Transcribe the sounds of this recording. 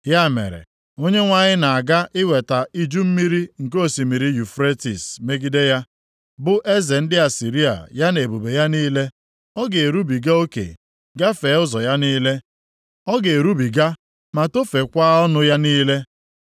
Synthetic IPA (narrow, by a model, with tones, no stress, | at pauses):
ja˦˨mḛ˨ɾḛ˨ | o˦ɲe˦ŋʷa˦ɲɪ˦na˨a˨ɡa˦ʔɪ˦we˨ta˨i˦d͡ʒu˦m̩˦mi˦ɾi˦ŋ̩˨k̬o˨si˨mi˨ɾi˨ju˨fɾe˦ti˨sme˦ɡi˦de˦ja˦ | bʊ˦ʔe˦ze˨n̩˦dɪ˦a˨si˨ɾi˦a̰˨ja˦ne˨bu˨be˨ja˦niː˦le˦ | ɔ˦ɡe˨e˨ɾu˦bi˨ɡa˦o˦kḛ˨ | ɡa˦fe˨˦ʊ˦zɔ˨ja˦niː˦le˦ | ɔ˦ɡe˨e˨ɾu˦bi˨ɡa˦ | ma˨to˦fe˨kʷa˦ɔ˦nʊ˦ja˦niː˦le˦